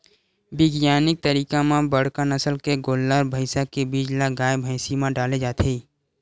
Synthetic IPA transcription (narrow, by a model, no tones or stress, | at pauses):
bɪɡjaːnɪk̚t̪əɾiːkamãbəɽ̤kanəsəlkeɡoːlːaɾbʱəɪsakebid͡ʒlaɡaːjbʱəɪsimãɖaːled͡ʒaːt̪ʰeː